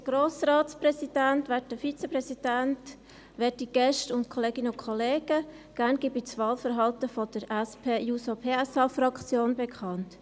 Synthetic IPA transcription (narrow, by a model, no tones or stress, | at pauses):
dəɡ̥roːsraːtsprɛsidæntʋɛtdəfit͡səpɾɛsid̥ænt | ʋɛtiɡ̥ɛʃtʊntkʰɔleːɡinʊkʰχɔleːɡ̥ə | ɡ̥ænɡ̥ibit͡sʋɑːlfəɾɦɑltəfɔd̥əɾæspʰeːjuːsopʰeːɛsɑfrɑkt͡sjoːnbekʰɑnt